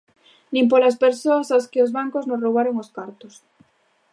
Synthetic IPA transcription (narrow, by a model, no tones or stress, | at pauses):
nĩmp̬oɾaspeɾsoasaskɪozβaŋkoznosroβaɾoŋoskaɾt̪os